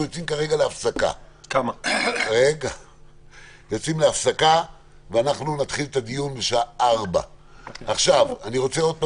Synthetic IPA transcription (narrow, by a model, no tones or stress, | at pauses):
ujot͡simkaʁe̞ɡaleafsaka̰kamaʁeɡa | jo̞t͡simleafsaka | veanaχnunat̪χilet̪ad̪ijunbeʃaʔaʁba̰ | aχʃavaniʁo̞t͡seo̞d̪̚pa